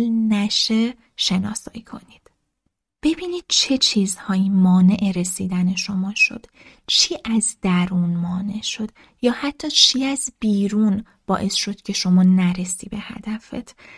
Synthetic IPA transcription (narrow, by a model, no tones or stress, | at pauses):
lnæʃe | ʃe̞nɒ̰ːsɒ̰ːikʰo̞̰niːd̪̥ | b̥e̞biːniːd̪̥̚t͡ʃʰe̞t͡ʃʰiːzhɒːimɒːne̞ʔeɾe̞siːd̪æne̞ʃo̞mɒːʃo̞̰d̪̥ | t͡ʃʰiːʔæzd̪̥æɾuːnmɒːne̞ʔʃo̞d̪̥ | jɒːhæt̪ʰːɒːt͡ʃʰiːæzbiːɾuːn | b̥ɒ̰ːʔe̞sʃo̞d̪̥cʰe̞ʃo̞mɒːnæɾe̞siːbe̞hæ̰d̪æfḛt̪ʰ